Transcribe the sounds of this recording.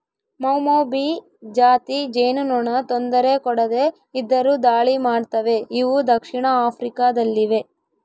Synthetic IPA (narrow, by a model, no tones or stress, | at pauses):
mɐwmoːbi | d͡ʒaːt̪id͡ʒejnunoɳɐt̪ond̪ɐɾe̞kɔɽɐd̪e̞ | id̪ːɐɾuːd̪aːɭimaːɖt̪ɐʋe̞iʋud̪ɐkʂiɳɐaːpʰɾikaːd̪ɐlːiʋe̞